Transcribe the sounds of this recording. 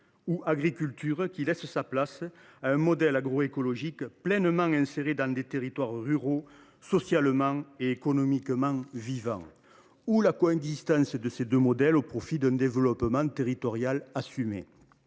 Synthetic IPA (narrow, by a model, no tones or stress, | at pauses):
uʔaɡʁikylt̪yʁəkʲilɛsəsaplas | aɛ̃mɔd̪ɛlaɡʁoekolɔʒikplɛnəmɑ̃ŋɛ̃seʁed̪ɑ̃d̪et̪eʁit̪waʁʁyʁo | sɔsjaləmɑ̃ŋeːkɔnɔmikəmɑ̃vivɑ̰̃ŋ | ulakɔɛ̃ɡzist̪ɑ̃səd̪əsed̪ømɔd̪ɛlopχɔfid̪ɛ̃nd̪evəlɔpəmɑ̃t̪eʁit̪ɔʁjalasymḛ